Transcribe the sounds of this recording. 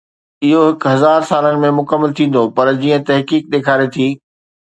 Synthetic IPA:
ɪɦoɦɪkʊɦɐzaːɾsaːlənɪ̆mẽmʊkəmːəlt̪ʰĩːn̆d̪opɐɾd͡ʑiːə̃t̪ɐɦkiːk̚ɗ̪eːkʰaːɾet̪ʰiː

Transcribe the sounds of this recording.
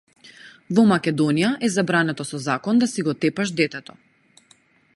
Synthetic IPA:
vɔmakʲɛd̪ɔnijaʔɛzabɾanɛt̪ɔsɔzakɔnd̪asiɡɔt̪ɛpaʃd̪ɛt̪ɛt̪ɔ

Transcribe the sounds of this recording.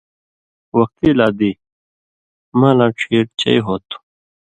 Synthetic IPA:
wɐk̚t̪iːlaːd̪iː | mãːlãːʈ͡ʂʰiːʈ̚t͡ɕɐ̰jɦoːt̪u̥

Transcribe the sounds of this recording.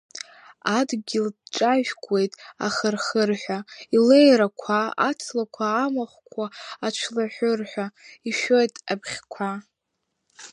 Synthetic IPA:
adɡʲɪldʈ͡ʂʼaʒᶣɡʷʼwe̞jtʼa̰χərχərħʷᶣailejɾakʷʰaa̰t͡sʰlakʷʰaːmaχʷkʷʰaːt͡ʃʷʰlaħʷʊrħʷᶣaiʃo̞jtʼapʰχʲkʷʰa

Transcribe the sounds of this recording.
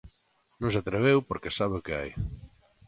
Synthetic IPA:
nõŋsat̪ɾeβ̞ewpoɾkesaβeʊkɪa̰j

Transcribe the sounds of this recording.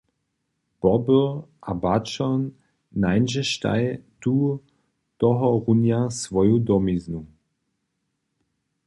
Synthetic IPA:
b̥ɔbəʔabat͡ʃɔnː | ajnʒɛʃta̰jtuː | tɔɦɔʁunjasvɔjudɔmiznu

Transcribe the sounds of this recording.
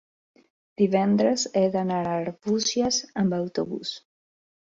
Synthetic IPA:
d̪̥iβɛnd̪ɾəzɛðanaɾaɾβusjazəmbawt̪oβṵs

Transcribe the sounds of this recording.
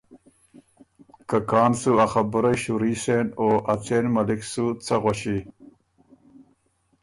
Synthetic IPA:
kɐkɑːnsuaxɐbuɾɐɕuɾiːsenoːʔɐt͡seːnmɐliksut͡sʰɐɣwɐɕi

